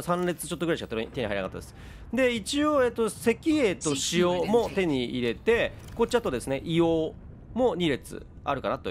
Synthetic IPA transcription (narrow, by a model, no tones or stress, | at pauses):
sãnɾe̞t͡sɨ̥t͡ɕo̞t̪ːoɡɯɾaiɕikat̪ot̪e̞ɲiɦaiɾakat̪ːad̪esɨ̥ | d̪e̞it͡ɕioe̞ːt̪ːo̞se̞kʲie̞t̪o̞ɕioːmo̞t̪e̞ɲ̟iiɾe̞t̪e̞ | ko̞t͡ɕiat̪od̪e̞sɨne̞ʔijoː | mo̞ɲ̟iɾe̞t͡sɨ̰ | a̰ɾɯ̟ka̰nat̪o̰